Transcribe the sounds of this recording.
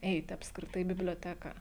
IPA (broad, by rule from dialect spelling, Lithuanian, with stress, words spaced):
ˈɛɪtʲɪ ɐpskrʲɪˈtɐɪ ɪ bʲɪbʲlʲoːˈtʲæːkɐ